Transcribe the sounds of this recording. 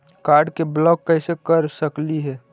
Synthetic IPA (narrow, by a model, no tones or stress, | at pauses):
kaɾɖkeblɔkːəɪsekəɾsəkliɦɛː